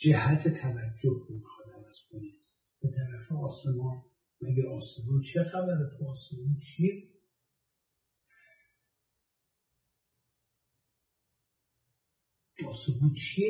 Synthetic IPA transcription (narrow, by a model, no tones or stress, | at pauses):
d͡ʒehæt̪ʰet̪ʰævæd͡ʒːohomixɒːd̪ævæz̥kʰoni | b̥et̪ʰæɾæfeɒːsemɒn | mæɡeʔɒːsebut͡ʃʰexæbæɾet̪ʰoːsemut͡ʃʰi | ɒːsebut͡ʃʰi